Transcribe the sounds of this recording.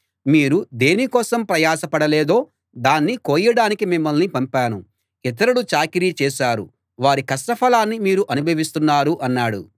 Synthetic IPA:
miːɾud̪eːnikɔːsɐmpɾɐjaːsɐpɐɽɐlɛːd̪o̞ː | d̪aːnːikoːjɐɽaːnikimimːɐlnipɐmpaːnu | it̪̬ɐɾɐɽut͡ʃaːkiɾiːt͡ʃɛːʃaːɾṵ | ʋaːɾikɐsʈɐpʰɐlaːnːimiːɾuʔɐnubʱɐʋist̪unːaːɾuʔɐnːaːɽṵ

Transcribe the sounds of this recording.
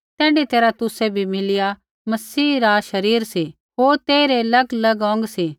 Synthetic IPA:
t̪ɛ̃ːɳɖit̪eːɾat̪ʊsebʱimɪlɪja | mɐsiːɾaʃɐɾiːɾsi | ɦoːɾt̪eːɾelɐɡlɐɡɔ̃ːŋɡsi

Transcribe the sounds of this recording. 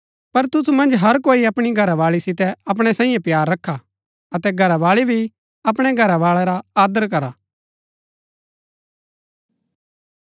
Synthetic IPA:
pɐɾt̪ʊsumɐ̃nd͡ʒɦɐɾkoːiɐpɽ̃iɡʱɐɾaʋaːɭisɪt̪̬ɛɐp̬ɽ̃ɛsãːĩjẽpjaːɾːɐkʰːa | ɐt̪ɛɡʱɐɾaʋaːɭibʱi | ɐp̬ɽ̃ɛɡʱɐɾaʋaːɭɛɾaaːd̪əɾk̬ɐɾaː

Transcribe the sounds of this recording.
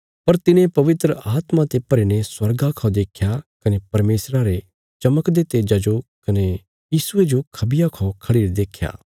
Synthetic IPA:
pɐɾt̪ɪnẽpɐʋɪt̪ɾəʔaːt̪mãt̪epɐɾiːneswɐɾɡakʰɔd̪eːkʰjakɐnepɐɾmeːsɾaɾe | t͡ʃɐməkd̪et̪eːd͡ʒɐd͡ʒokɐne | jiːsʊed͡ʒokʰɐbɪjakʰɔkʰɐɽiːɾd̪eːkʰːja̰ː

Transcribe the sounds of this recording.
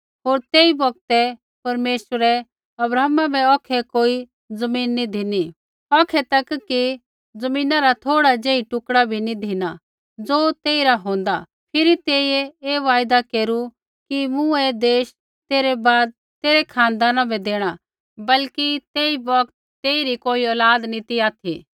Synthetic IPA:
ɦoːɾt̪eːibɐk̚t̪ɛ | pɐɾmeːsəɾɛ | ɐbɾaːmabɛɔːkʰɛkoːi | d͡zɐmiːnːid̪ʱɪni | ɔːkʰɛt̪ɐkːi | d͡zɐmĩːnaɾat̪ʰoːɽad͡ʒeːiʈʊkɽabʱinid̪ʱina | d͡zoːt̪eːiɾaɦõːnd̪a | pʰɪɾit̪eːieeːʋaːjd̪akeːɾu | kimũed̪eːʃ | t̪eːɾɛbaːd̪̚ | t̪eːɾɛkʰãːnd̪aːnãbʱɛd̪eːɽ̃a | bɐlkit̪eːibɔk̚t̪ːeːiɾikoːiɔːlaːd̪nit̪iaːt̪ʰḭ

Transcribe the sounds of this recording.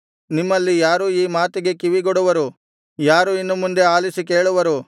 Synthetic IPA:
nimːɐlːijaːɾuiːmaːt̪iɡe̞kiʋiɡɔɽuʋɐɾu | jaːɾuinːumund̪e̞aːlisike̞ːɭuʋɐɾu

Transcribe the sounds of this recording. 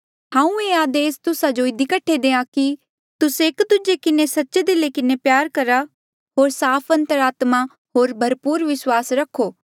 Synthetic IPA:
hãːũeːaːd̪eːst̪ʊsad͡ʒoɪd̪ikɐʈʰːed̪eːãki | t̪ʊsekd̪ʊd͡ʒekɪnesɐtːʃed̪ɪlekɪnepjaːɾkɐɾa | ɦoːɾsaːpʰɐ̃nt̪əɾaːt̪ma | ɦoːɾbʱɐɾpuːɾʋɪswaːsɾɐkʰːoː

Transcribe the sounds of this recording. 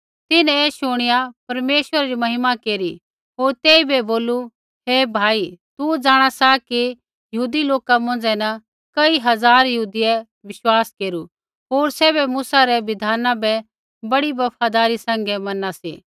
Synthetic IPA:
t̪ɪnɛ̃ɛːʃʊɽ̃ɪjapɐɾmeːʃwəɾaɾimɐɦɪmakeːɾi | ɦoːɾt̪eːibɛboːlu | ɦebʱaːit̪ud͡zaːɽ̃asaki | jɐɦuːd̪iloːkamõːnd͡ʒɛnɐ | kɐiɦɐzaːɾjɐɦuːd̪iɛ | ʋɪʃwaːskeːɾu | ɦoːɾsɛːbɛmʊsaɾɛʋɪd̪ʱaːnãbɛ | bɐɽibɐpʰaːd̪aːɾisɛ̃ːŋɡɛmɐnasḭː

